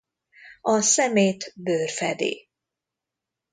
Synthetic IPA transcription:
ɒsɛmeːt̪bøːrfɛd̪ḛː

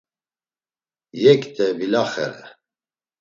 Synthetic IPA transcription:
jɛkʼt̪ʰʼɛbilaχɛ̰ɾɛ̰

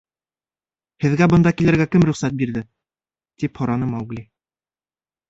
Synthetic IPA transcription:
hɘ̆ðɡæbɤ̆nd̪ɑkilɘ̆ɾɡækɘmɾɵ̆χsæt̪̚biɾðɘ | t̪iphŏɾɑnɤmɑwɡlʲi

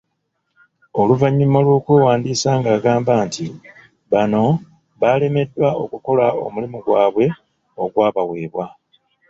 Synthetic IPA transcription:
oluvaɲːimolwokweːwaːndiːsaːŋɡaːɡaːmbaːnti | βano̞ | βaːle̞me̞dːwao̞kuko̞lao̞̰mulimuɡwaːβwe̞ | o̞ɡwaːβawe̞ːβwa

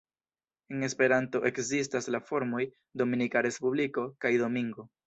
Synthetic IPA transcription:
e̞ŋe̞spe̞ɾanto̞ʔe̞kzistaslafo̞ɾmo̞j | do̞minikaɾe̞spubliko̞kajdo̞miŋɡo̞

